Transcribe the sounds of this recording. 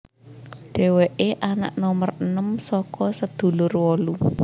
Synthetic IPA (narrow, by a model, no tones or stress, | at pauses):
ɖ̪̥e̤weʔeʔana̰ʔnɔmərənəmsɔkɔsəd̪̥ṳlʊrwɔlu